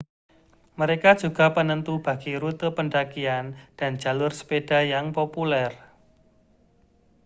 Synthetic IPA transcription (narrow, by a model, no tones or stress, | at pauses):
məɾekḁʒ̥ṳɡ̥a̤pənənt̪ub̥a̤ɡ̥iɾut̪əpəɳɖakiand̥a̤nd͡ʒ̥a̤lʊrsə̥ped̥a̤jaŋpopulɛr